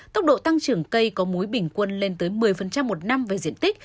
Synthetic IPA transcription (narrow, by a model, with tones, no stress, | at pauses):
t̪ə˦˥k͡p̚ɗo̰˧˨t̪a˧ŋt͡ɕɨ˨˩əŋkə˧jkɔ˨˦mu˨˦jɓï˧˩ŋ̟kwə˧nle˧nt̪əː˨˦jmɨ˨˩əjfə˨˩nt͡ɕa˧mːo˨˩t̚na˧mve˨˩zḭ˧˨ənt̪i˦˥k̚